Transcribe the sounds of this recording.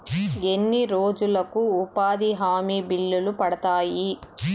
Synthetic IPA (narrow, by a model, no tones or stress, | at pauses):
e̞nːiɾoːd͡ʒulɐkuːpaːd̪iɦaːmiːbilːulupɐɽɐt̪aːji